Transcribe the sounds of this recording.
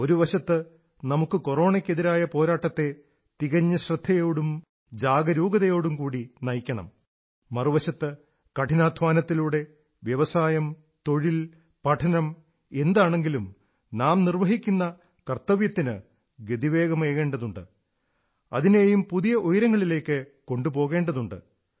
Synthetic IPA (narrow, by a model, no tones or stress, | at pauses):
o̞ɾuʋɐɕɐt̪ːɨ | nɐmukːɨko̞ro̞ːɳɐkʲːeðiɾaːjɐpo̞ːɾaːʈːɐt̪ːe̞ | t̪iɣɐɲːɐɕrɨd̪ʱːɐjo̞ːɽum | d͡ʑaːɡɐɾuːɡɐðɐjo̞ːɽumkuːɽinɐjkʲːɐɳɐ̰mː | ɐruʋɐɕɐt̪ːɨ | kɐʈʰinaːd̪ʱʋaːnɐt̪ːiluːɽe̞ | ʋjɐʋɐsaːjɐm | t̪o̞ɻil | pɐʈʰɐnɐm | e̞nd̪aːɳe̞ŋɡilum | naːmnirʋɐɦikʲːunːɐ | kɐrt̪ɐʋjɐt̪ːinɨ | ɡe̞d̪iʋe̞ːɡɐmeːɣe̞ːɳɖɐðuɳɖɨ | ɐ̰ðineːjumpuðijɐʔojɾɐŋːɐɭile̞ːkːɨko̞ɳɖupo̞ːɣe̞ːɳɖɐðuɳɖɨ̰